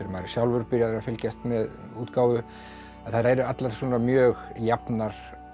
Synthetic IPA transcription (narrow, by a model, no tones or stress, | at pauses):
ɪɾʏmaːjɾɪ̥sjawlvʏɾpɪɾjaðɪɾafɪlcɛst̪mɛð | uːt̪kaːwvʏ | aðθaɾaɛɾʏat̪laɾsuɔnamjœːɣjapnaɾ̥